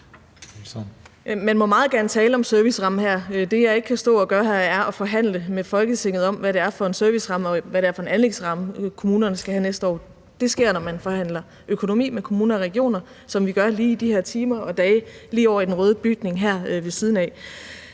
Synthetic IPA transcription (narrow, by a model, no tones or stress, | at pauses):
mænmɒ̽mɑ̈ːð̞̩ˠɡ̥æɐnət͡sʰɛːləɒ̽msøɐʋisʁɑ̈məɦæɐ̰d̥e̝jɑ̈ɪe̝ɡ̥əkʰæsd̥ɔ̰̽ːɒɡ̥ɶɐɦæɐæɐʔɒ̽fɒ̽ɦæn̰ləmefɒ̽lɡ̥ət͡sʰe̝ŋ̰ð̩ˠɒ̽mʋæɾe̝æɐfɒ̽e̝nsøɐʋisʁɑ̈mɒ̽ʋæɾeæɐfɒ̽e̝nænle̝ɡ̥sʁɑ̈məkʰo̝muːnɐnəsɡ̥æhænesd̥əɒ̰ː | d̥e̝sɡ̥e̝ɐ̰nɒmænfɒ̽hæn̰lɐ | økʰo̝no̝mḭːmekʰo̝muːnɐɒʁɛɡ̥io̝̰ːnɐ | sɒ̽mʋiɡ̥ɶɐliːid̥ihæɐt͡sʰiːmɐɒ̽d̥ɛːliːɒʊ̰ɐid̥enʁœːð̞ˠb̥yɡ̥ne̝ŋɦæɐ̰ʋe̝sið̞ˠn̩ɛ̰